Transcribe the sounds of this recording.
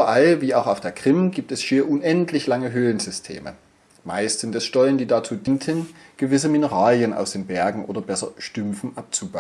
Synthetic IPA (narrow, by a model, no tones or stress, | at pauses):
ʔbɐʔalviːaʊxaʊfd̥eːɐkʁ̥ɪmɡiːp̚tɛsʃiːɐʔʊnʔɛntʰlɪçlaŋəɦøːlənzʏstʰḛːmə̰ | ma̰ɪstzɪndɛsʃtɔləndiːdat͡suːdintʰənɡ̥əvɪs̬əminəʁaːljənʔa̰ʊsd̥eːnbɛɐɡŋ̩ʔo̰ːdɐbɛsɐ̰ʃtʏmfn̩ʔap̚t͡suba